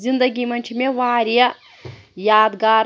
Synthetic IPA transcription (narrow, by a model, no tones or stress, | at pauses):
zind̪ɐɡʲimɐnʲt͡ʃʰimeʋaːɾʲijɐ | jaːd̪ɡaːɾ